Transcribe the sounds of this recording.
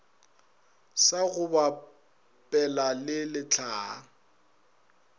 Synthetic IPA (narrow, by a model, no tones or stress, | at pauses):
saɣʊba | pʼɛlalɪlɪt͡ɬʰaː